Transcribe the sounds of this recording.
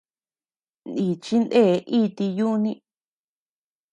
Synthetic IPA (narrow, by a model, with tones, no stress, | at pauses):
ni˨t͡ʃi˦nd̪e˦˨˦ʔi˦˧t̪i˧ju˦˧nĩ˦